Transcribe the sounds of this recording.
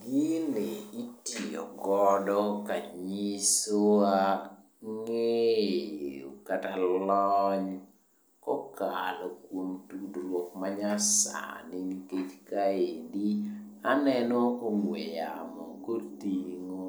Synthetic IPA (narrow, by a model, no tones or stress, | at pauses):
ɡineitiɔ̰ɡɔdɔkaɲisoa | ŋeeokatalɔɲ | kɔkalɔkwomtudɾwokmaɲasa̰nɪŋket͡ʃkaedianɛnɔkomwejamɔ̰kotiŋo